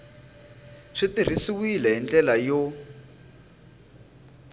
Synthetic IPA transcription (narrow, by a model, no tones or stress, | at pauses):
ʂitir̤isiwilɛɦind͡ɮɛlajo